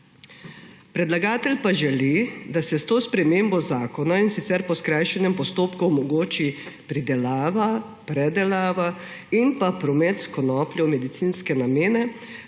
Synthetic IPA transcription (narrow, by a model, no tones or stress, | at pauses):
pɾɛd̪laɡaːt̪ɛlpaʒɛlid̪asɛst̪oːspɾɛmeːmbɔzaːkɔnainsit̪sɛɾpɔskɾajʃɛnɛmpɔst̪oːpkuɔmɔɡoːt͡ʃipɾid̪ɛlaːʋa | pɾɛd̪ɛlaːʋa | impapɾɔmet̪skɔnɔːplʲjɔmɛd̪it̪sinskɛnameːnɛ